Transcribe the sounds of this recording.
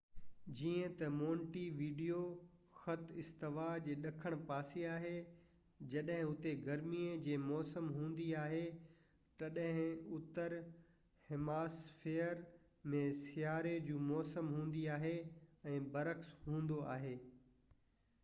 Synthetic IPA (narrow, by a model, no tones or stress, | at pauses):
d͡ʑiːə̃t̪ɐmoːɳʈiʋiːɖijo | xɐt̪ʰɪst̪ɪʋaːd͡ʑeːɗɐkʰəɽ̃paːsiaːɦe | d͡ʑɐɗɦɪ̃ʊt̪eɡɐɾmiːəd͡ʑeːmɔːsəmɦũːn̆d̪iaːɦe | t̪ɐɗɦɪ̃ʊt̪əɾ | hɪmaːsfeːəɾ | mẽsɪjaːɾed͡ʑũːmɔːsəmɦũːn̆d̪iaːɦe | ɛ̃ːbɐɾəxsɦũːn̆d̪oʔa̰ːɦeː